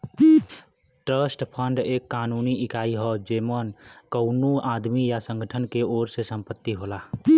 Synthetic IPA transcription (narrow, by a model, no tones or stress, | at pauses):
ʈɾəsʈpʰəɳɖekːanuniikaiɦɔd͡ʒemənkəʊnuad̪mijasə̃ŋɡʱəʈʰənkeoɾsesəmpət̪ːiɦola